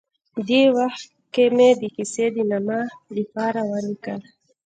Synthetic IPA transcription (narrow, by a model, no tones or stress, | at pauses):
d̪ewaxt̪̚ | kemed̪ikised̪inamalipaɾawanikaɾ